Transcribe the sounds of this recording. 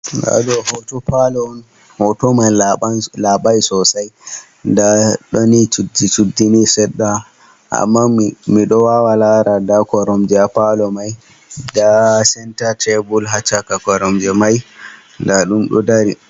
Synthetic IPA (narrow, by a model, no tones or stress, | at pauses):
ɡa̰dɔhɔtɔpalɔn | hɔtɔmanlaɓajsɔsaj | ndaɗɔniudit͡ʃudːinisɛɗːa | ʔa̰mːamiɗɔwawalaɾadakɔɾɔmd͡ʒɛapalɔmaj | dasɛntatʰɛbulɦat͡ʃakakɔɾɔmd͡ʒɛmaj | ndaɗumɗɔ̰daɾi